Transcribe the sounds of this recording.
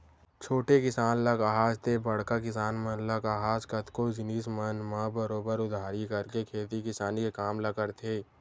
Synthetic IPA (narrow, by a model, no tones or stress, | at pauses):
t͡ʃʰoːʈekɪsaːnləɡaːɦaːzt̪ʰebɐɽ̤kakɪsaːnmənləɡaːɦaːzkət̪kod͡ʒɪniːsmənmãbəɾoːbəɾʊd̪ʱaːɾikɐɾkekʰeːt̪ikɪsaːnikekaːmləkəɾt̪ʰeː